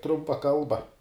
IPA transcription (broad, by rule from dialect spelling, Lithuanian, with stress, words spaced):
ˈtrʊmpɐ ˈkɐlˠbɐ